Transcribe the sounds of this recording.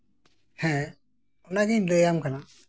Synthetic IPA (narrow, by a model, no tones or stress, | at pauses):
hɛ̃ | unaɡindəjamkana